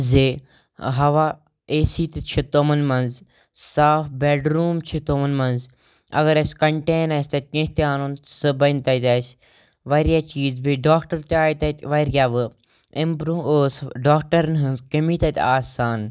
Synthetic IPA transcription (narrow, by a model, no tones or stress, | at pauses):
zeː | ɦɐʋaː | eːsiːt̪t͡ʃʰit̪omɐnmɐnz | saːfbɛːɖɾuːmt͡ʃʰit̪omɐnmɐnz | ɐ̰ɡɐɾɐskɐɳʈeːnɐsʲt̪ɐt̪̚ʲkẽɦt̪aːnunsɨbɐnt̪ɐt̪ʲɐːs | ʋɐɾjaːt͡ʃiːzbiɖaːkʈɐɾt̪aːjt̪ɐt̪ʋɐɾjaːʋɨ | ɪmpɾuːoːsɖaːkʈɐɾnɦɨnzkɐmiːt̪ɐt̪aːsaːn